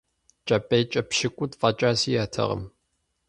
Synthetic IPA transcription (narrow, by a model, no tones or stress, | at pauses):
t͡ʃʼɐpʼejt͡ʃʼɐpʃɪkʷʼʊtfʼɐt͡ʃʼaːsiːjaːtʰɐ̰ʁə̰m